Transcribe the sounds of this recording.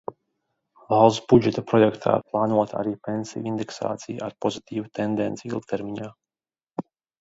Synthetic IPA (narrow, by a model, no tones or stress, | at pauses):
valˠsbud͡ʒɛt̪apɾɔjɛkt̪ʰa̰ːplˠɑːnuɔt̪a̰ɾiːpensḭjind̪ɛksa̰ːt̪sij̰ʔaɾpɔzit̪ʰʲiːvut̪end̪ɛnt̪siilˠkt̪ʰɛɾmʲiɲaː